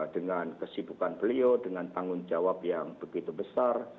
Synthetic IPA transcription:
dəŋankəsibukanpəliodəŋant̪aŋʊnd͡ʒawap̚jaŋb̥əɡit̪ubəsar

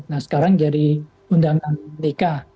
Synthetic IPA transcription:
nahsə̥kaɾaŋd͡ʒadi | undaŋanənika

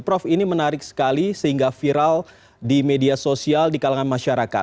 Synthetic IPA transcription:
pɾɔfinimənaɾɪk̚sə̥kalisəhiŋɡafiɾal | dimediasosialdikalaŋanmaʃaɾaka̰t̪

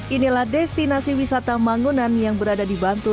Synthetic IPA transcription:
ʔinilahdɛst̪inasiwisat̪amaŋunanjaŋbəɾadadibant̪u

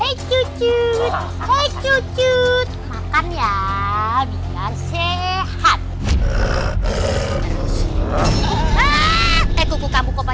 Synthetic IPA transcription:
et͡ʃut͡ʃut̪̚ | et͡ʃut͡ʃut̪̚makanja | biŋansehat̪̚ | ekukukamukopa

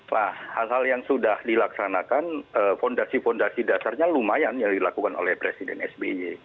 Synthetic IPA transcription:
lahhalɦaljaŋsudahdilaksanakanəfɔndasifɔndasidasarɲalumajanjaŋdilakukano̰lɛhpɾesidɛnɛsbed͡ʒe

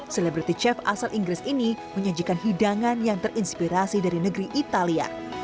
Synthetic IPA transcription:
selebɾat̪it͡ʃɛfa̰salʔiŋɡɾɪsiniməɲad͡ʒikanɦidaŋanjaŋt̪ərʔinspiɾasidaɾinəɡɾiʔit̪alia̰

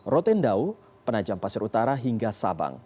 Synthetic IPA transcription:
rot̪ɛndau | pənad͡ʒampasəɾut̪aɾaɦiŋɡasa̰ba̰ŋ

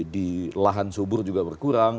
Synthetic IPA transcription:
dilaɦansobʊrd͡ʒuɡabərkuɾaŋ

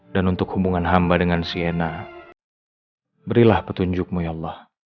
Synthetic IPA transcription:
danunt̪ʊkhubuŋanɦambadəŋansiena | bəɾilahpət̪uɲd͡ʒʊk̚mujalːɑh

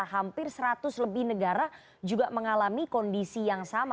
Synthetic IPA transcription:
ɦampɪrsəɾat̪ʊsləbɪhnəɡaɾa | d͡ʒuɡaʔməŋalamikɔndisijaŋsama

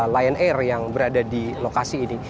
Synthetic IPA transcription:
lajənɛrjaŋbəɾadadilokasiːni

